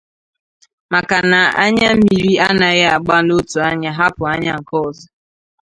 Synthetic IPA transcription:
ma˨ka˨na˨a̰˦ɲa˦m̩˦mi˨ɾi˦a˦na˨ɣɪ˦a˨ɡ͡ba˦no˦tu˨a˦ɲa˦ɦa˦pʊ˨a˦ɲa˦ŋ̩˨kɔ˦˨zɔ˨

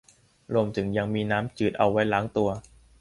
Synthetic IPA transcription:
ɾu˧əmt̪ʰɯ˩˦ŋja˧ŋmiː˧naː˦˥mt͡ɕɯː˨˩t̪̚ʔa̰˧wːa˦˥jlaː˦˥ŋt̪u˧ɐ

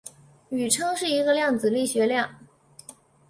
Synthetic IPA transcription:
y˨˩ʈ͡ʂʰɤ˥ŋʂɻ̩˥˩i˧˥ɡə˧ljɑ˥˩ŋd͡zɹ̩˨˩li˥˩ɕɥɛ˧˥ljɑ˥˩ŋ

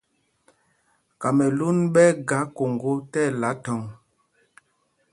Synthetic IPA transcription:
ka˨mɛ˨lu˦nɓɛ˦ɡa˨˦ko˨ŋɡo˦tɛ˦˨la˨˦tɔ˨ŋ

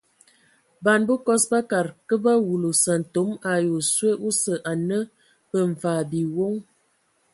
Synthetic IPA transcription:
ba˨nbə˦kɔ˦sba˦ka˨ɾkə˦ba˦wu˨lo˨sə˨n̩˨to˨˦ma˨jo˨swe˦ʔu˦sə˨ʔa˨nə˦ | bə˨ɱ̩˨faː˨bi˨wo˦ŋ

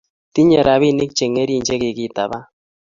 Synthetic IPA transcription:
ti˦ɲe˨ɾa˨βi˦˨nɪ˦k̚t͡ʃe˨ŋe˦ɾi˦˨ɲd͡ʒe˦kɪ˨ki˨ta˨βa˦

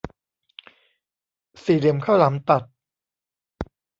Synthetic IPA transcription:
siː˨˩li˨˩˦əmkʰa˥˩wla˩˦mt̪a˨˩t̪̚

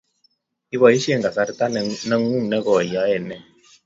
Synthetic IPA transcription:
i˦bɔ˨i˦ʃe˦˨ŋ˨ɡa˨ka˧ɾi˦ta˦˨nə˧ŋ˦u˦˨ŋ˨nɛ˦ɡɔ˨ja˨˦ɛ˦˨nɛ˦˨

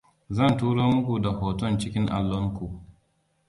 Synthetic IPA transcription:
zɐ˦ntuː˦ɽo˦mʊ˦ku˨da˨hɔː˨tɔ˦nt͡ʃɪ˦kʲɪ˦ŋʔa̰˨lːɔ˦ŋku˨

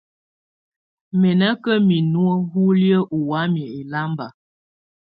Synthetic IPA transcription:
mɛ˨nə˦kə˦mi˨nu˦ə˦ɦu˦ljə˦ʔu˨wa˦m˨ə˨e˨la˦mba˨

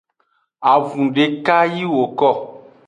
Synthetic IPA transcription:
a˨vũ˨ɖe˨ka˦ji˦wo˨kɔ˦˨

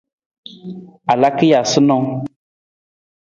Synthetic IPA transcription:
a˨la˦ki˦ja˨sɨ˦nɔ˦ŋ

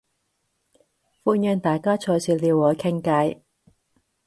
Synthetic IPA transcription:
fuː˧njœː˧ŋt̪aː˨jkaː˥t͡ʃʰɔː˧jsiː˧liː˧whɔː˨˧kʰɪ˥ŋka˧j

